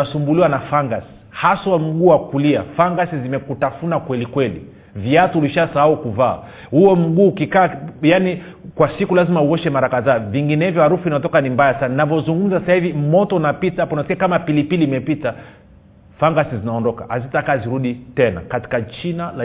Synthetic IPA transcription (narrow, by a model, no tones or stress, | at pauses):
asumbuliwanafaŋɡasi̥haswam̩ɡuːwakuliafaŋɡasizimɛkutafunakwɛlikwɛlḭ | viatuuliʃasahaukuva̰ː | huɔm̩ɠuːkikaːjani | kwasikulazimauɔʃɛmaɾakaðaːviŋɡinɛvjɔhaɾufuinaɔt̬ɔkanimbajasannavjɔzuŋɡum̩zassahivimɔtɔunapitapɔnaskɛakamapilipiliːmɛpita | faŋɡasizinaɔndɔka̰ʔazitakaziɾuɗitɛna̰kati̥kat͡ʃinala